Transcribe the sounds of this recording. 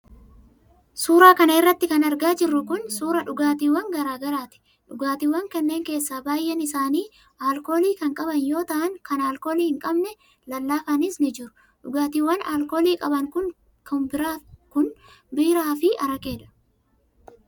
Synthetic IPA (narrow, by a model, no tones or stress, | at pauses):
suːɾaːkɐnɐɪrːɐt̪ːɪkɐnɐɾɡaːd͡ʒɪrːʊkʊnsuːɾɐᶑʊɡaːt̪iːwːɐŋɡɐɾaːɡɐɾaːt̪ɪ̥ | ᶑʊɡaːt̪iːwɐŋkɐnːe̞ːŋke̞ːsːaːbaːjʔːɛnɪsaːniː | aːlko̞ːliːkɐŋkʼɐbɐnjo̞ːt̪ɐʔɐŋkɐnaːlkoːliːhɪŋkʼɐbnɛ | lɐlːaːkanɪsnɪd͡ʒɪɾʊ̥ | ᶑʊɡaːt̪iːwɐnaːlko̞ːliːkʼɐbɐŋkʊn | kɐmbɪɾaːkʊnbiːɾaːfɪʔɐɾɐkʼeːᶑɐ̥